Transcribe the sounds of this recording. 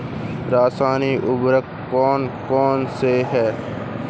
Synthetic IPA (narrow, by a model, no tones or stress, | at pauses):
ɾaːsaːniːʔʊbɾəkːɔːnkɔːnseɦɛː